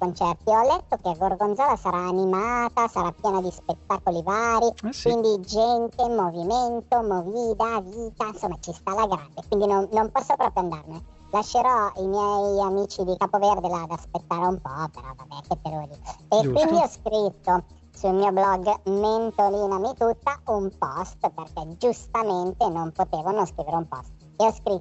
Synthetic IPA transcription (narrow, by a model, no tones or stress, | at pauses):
kont͡ʃɛrt̪iɔlːɛt̪ːokeaɡorɡond̪zɔːlasaɾaːnimaːt̪asaɾapːjɛːnad̪ispet̪ːakolivaːɾikwind̪id͡ʒɛnt̪emoviment̪omoviːd̪aviːt̪ainsomːat͡ʃist̪alaɡɾand̪ekwind̪inonnompɔsːopɾɔːpɾjoand̪arne | laʃːeɾɔimjɛjamiːt͡ʃid̪ikaːpoverd̪elad̪aspet̪ːaːɾeumpɔpːeɾɔ̰vabɛkːet̪ːeɾoliekwind̪iɔskɾit̪ːo | sulmiːoblɔɡːment̪oliːnamit̪ut̪ːaumpɔst̪perkɛd͡ʒust̪ament̪enompot̪eːvonõskɾiːveɾeumpɔ̰st̪ | eɔskɾit̪ː